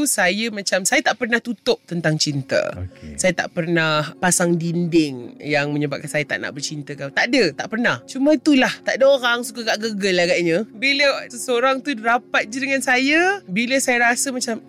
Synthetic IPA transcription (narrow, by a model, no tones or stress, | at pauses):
usajəmãt͡ʃamsajat̪aʔpərnaht̪ut̪ʊp̚t̪ənt̪aŋt͡ʃint̪ə̰sajat̪a̰ʔpərnahpasaŋdindɪŋjaŋmə̃ɲəbap̚kansajat̪a̰ʔna̰ʔbərt͡ʃint̪əkawt̪aʔdət̪aʔpərnaht͡ʃumə̃it̪ulaht̪aʔdəoɾaŋsukaɡaʔɡəɡəlaɡaʔɲə̃biləsəsəoɾaŋt̪udɾapat̪̚d͡ʒədəŋansajəbiləsajəɾasəmãt͡ʃam